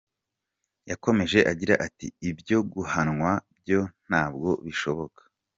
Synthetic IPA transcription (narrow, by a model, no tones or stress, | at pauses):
jako̞me̞ʒe̞ʔaɟiɾaʔatḭːbjo̞ɡuhanŋwab̚jo̞n̥aːbɡo̞βiʃo̞βo̞kḁ